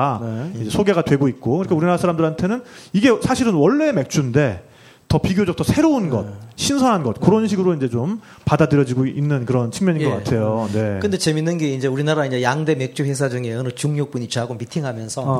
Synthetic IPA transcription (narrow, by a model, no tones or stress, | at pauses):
ind͡ʑe̞sʰoɡe̞ɡadwe̞ɡoit̚k͈okɯɾikʰauɾinaɾasʰaɾamdɯɾɦantʰe̞nɯniɡe̞sʰaɕʰiɾɯnwʌɭːe̞me̞k̚t͡ɕ͈unde̞ | tʌpiɡjod͡ʑʌk̚tʰʌsʰe̞ɾounɡʌ̰t̚ɕʰinsʰʌɦanɡʌt̚kɯɾʌnɕʰiɡɯɾoind͡ʑe̞t͡ɕom | padadɯɾjʌd͡ʑiɡoinːɯnkɯɾʌnt͡ɕʰɯŋmjʌɲinɡʌkatʰe̞jone̞k͈ɯnde̞t͡ɕeminːɯnɡe̞ind͡ʑe̞uɾinaɾaiɲajaŋde̞me̞k̚t͡ɕ͈uhe̞s̬ʰad͡ʑɯŋeɯnɯt͡ɕuŋɲok̚p͈uɲit͡ɕaɡomitʰiŋɦamjʌnsʰʌ